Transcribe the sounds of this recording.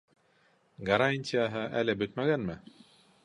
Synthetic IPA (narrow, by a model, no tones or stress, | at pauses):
ɡaɾanʲtʲijɑɦɤʔælɘbɵt̪mæɡænmɘ